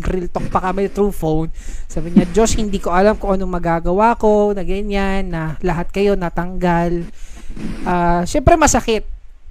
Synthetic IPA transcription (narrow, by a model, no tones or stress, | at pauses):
ɾɪlt̪ok̚pɐkɐmɛt̪ɾuːfownsaːbɪɲɐd͡ʒo̞shɪnd̪iːko̞ʔɐlamkʊŋʔɐnomɐɡaːɡɐwako̞nɐɡɐɲanːɐlɐɦat̪̚kɐjo̞nɐt̪ɐŋɡal | ʔaːʃɛmpɾɛmɐsɐkɛt̪̚